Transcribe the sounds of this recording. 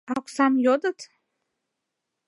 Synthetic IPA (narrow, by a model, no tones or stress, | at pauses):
akʷʼsamjod̪ʼɨtʰʼ